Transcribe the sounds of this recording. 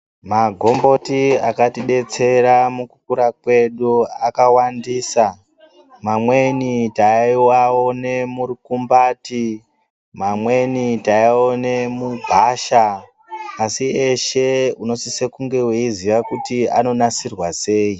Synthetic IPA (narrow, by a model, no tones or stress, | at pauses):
maɡʱo̞mbo̞tia̰katiɗe̞t͡se̞ɾamukukuɾakwe̞ɗuakawandiːsa | mamwenitaiwaonemuɾikumbaːti | mamwe̞nitaione̞mubʱaʃaː | sie̞ʃe̞uno̞sise̞kuŋɡe̞weiziʋakutia̰no̞nasirwase̞ːi